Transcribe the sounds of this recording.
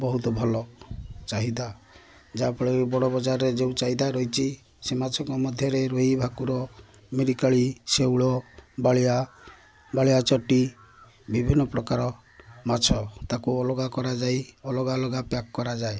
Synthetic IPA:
bɔɦut̪ɔbʱɔlɔt͡ʃaɦid̪a | d͡ʒapɔɭebɔɽɔbɔd͡ʒaɾɔɾed͡ʒeũt͡ʃaid̪aɾɔɦit͡ʃʰi | semat͡ʃʰɔŋkɔmɔd̪ʱjɔɾeɾoɦibʱakuɾɔ | miɾikaɭisewɭɔbaɭia | baɭiat͡ʃɔʈi | bibʱinɔpɾɔkaɾɔ | mat͡ʃʰɔt̪akuɔlɔɡakɔɾad͡ʒajɔlɔɡalɔɡapjakkɔɾad͡ʒae

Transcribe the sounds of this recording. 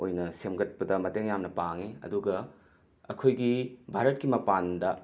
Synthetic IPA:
ojnɐsemɡɐt̚pɐdɐmɐteŋjamnɐpaŋiɐ̰duɡɐ | ɐkʰojɡibʱaɾɐt̚kimɐpandɐ

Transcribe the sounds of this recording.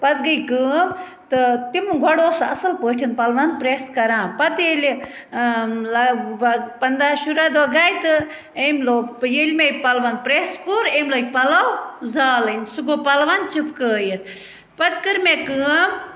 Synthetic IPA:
pɐt̪ɡəjkəːm | t̪ɨt̪imɡʱɐɽoːsɐ̰sɐlpəːʈʰinpɐlʋɐnpɾeːskɐɾãːpɐt̪elʲi | lɐɐpɐnd̪aːʃuɾad̪oɡaːjt̪ɨ | emloːkpjelʲmeːpɐlʋɐnpɾeːskuːɾemloːk̚ʲpɐlawzaːlənʲsuɡoːpɐlʋant͡ʃipkəːjət̪ʰ | pɐt̪kɨɾmekəːm

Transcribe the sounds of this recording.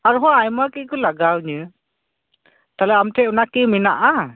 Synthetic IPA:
aɾuɦɔajmakikɯlaɡawɲɯ | t̪alɛamtʰɛʔunakimina̰ʔa

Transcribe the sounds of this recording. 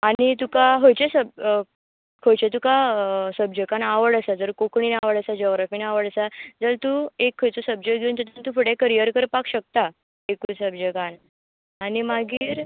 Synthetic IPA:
anit̪ukaɦojt͡ɕesəb | kʰojt͡ɕet̪̬ukasəbd͡ʑəkanaʋəɽəsad͡zəɾkokɳiːnaʋəɽəsad͡ʑɔɡɾafiːnaʋəɽəsad͡zəlt̪uekʰːojt͡sosəb̚d͡ʑekɡʱeuːnt̪ət̪ənt̪ufəɽekəɾijəɾkəɾpakɕək̚t̪a | ekuːsəbd͡ʑəkan | añimaɡiːɾ

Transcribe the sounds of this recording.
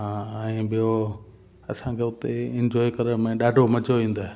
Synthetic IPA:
ɦãːɛ̃ːɓɪjo | ɐ̰sãkʰeʊt̪eɪ̃nd͡ʑɔːikɐɾəɽmẽɗaːɖʱomɐd͡ʑoʋĩːn̆d̪aːɦe

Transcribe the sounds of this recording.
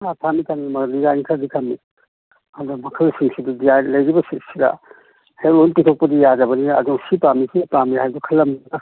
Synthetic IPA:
atʰamikʰanimɐliɡajnikʰadikʰami | adɔmɐkʰɐlsiŋsidudijajlɐjɾibɐsiɾsiɾa̰ | helojnpitʰok̚pɐdijad͡ʒɐbɐniɐ̰duŋsipamisʰipamihajbukʰɐlːɐma

